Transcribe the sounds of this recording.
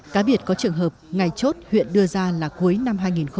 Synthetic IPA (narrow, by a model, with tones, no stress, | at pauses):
kaː˨˦ɓi˧˩ət̚kɔ˨˦t͡ɕɨ˨˩əŋɦəː˨˩p̚ŋa˨˩jt͡ɕo˦˥t̚hwḭ˧˨ənɗɨ˧əzaː˧laː˨˩ku˨˦əjna˧mɦaː˧jŋi˨˩nxə˧